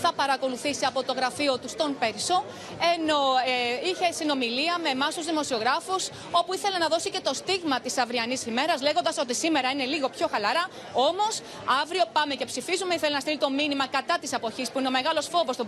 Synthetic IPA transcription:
θɐpɐɾɐko̞luθisiɐpo̞t̪o̞ɣɾɐfiot̪ust̪o̞npeɾso̞ | e̞no̞içe̞sino̞miliɐme̞mɐsuzðimo̞sio̞ɣɾɐfus | o̞puiθe̞lenɐðo̞sice̞t̪o̞st̪iɣmɐt̪isɐvɾiɐnisime̞ɾɐzle̞ɣond̪ɐsot̪̬isime̞ɾɐine̞liɣo̞pço̞xɐlɐɾɐ | o̞mo̞s | ɐvɾio̞pɐme̞ce̞psifizume̞iθe̞lenɐst̪ilit̪o̞minimɐkɐt̪ɐt̪ise̞po̞çispuineo̞me̞ɣɐlo̞sfo̞vo̞st̪o

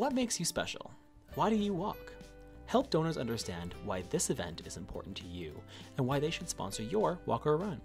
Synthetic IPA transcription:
wʌt̚meɪksjɨspɛ̰ʃl̩ˠ | waɪɾɨjɨwɔk | hɛlˠp̚d̥õʊnə˞zʌ̰̃ndə˞stæ̃ndwaɪðɪsɨvɛ̰̃ntʰɨzɨ̃mpʰɔ̰ɹʔn̩tʰɨjʉ̰ | ɨ̃nwaɪðeɪʃɨd̥spɑ̰̃nsə˞jə˞wɔ̰kə˞ɹʌ̃n

